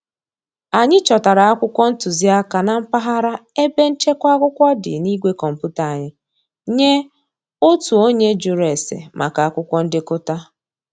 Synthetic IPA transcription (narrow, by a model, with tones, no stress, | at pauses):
a˨ɲɪ˦t͡ʃɔ˨ta˨ɾa˨a˦kʷʊ˦kʷɔ˦n̩˦tu˨zi˦a˦ka˨na˨m̩˦pa˦ɦa˦ɾa˦e˦be˦n̩˦t͡ʃe˦kʷa˦ɡʷʊ˦kʷɔ˦dɪ̰˨ni˦ɡʷe˦kɔ˨m̩˨pu˦ta˨a˨ɲɪ˦ | ɲe˦ | o˦tu˨o˦ɲe˦d͡ʒu˨ɾe˨sḛ˨mʔa̰˨ka˨a˦˨kʷʊ˦kʷɔ˦n̩˦dɪ˦kʊ˦ta˦